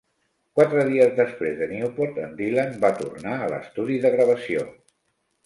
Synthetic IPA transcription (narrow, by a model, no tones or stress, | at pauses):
kwat̪ɾəðiəzðəspɾezðəniupoɾt̪ənd̪ilanbat̪ṵrnaələ̰st̪uðiðəɣɾəβ̞əsio̰